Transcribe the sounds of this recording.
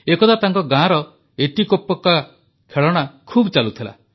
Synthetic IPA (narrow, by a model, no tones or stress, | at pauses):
ekɔd̪ʰat̪aŋkɔɡãɾɔ | eʈikopːɔka | kʰeɭɔɽ̃akʰuːbt͡ʃalut̪ʰila̰